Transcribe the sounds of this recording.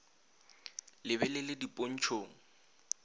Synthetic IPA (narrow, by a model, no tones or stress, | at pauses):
lɪβɛlɪlɪdipʼon̩t͡ʃʰoːŋ̩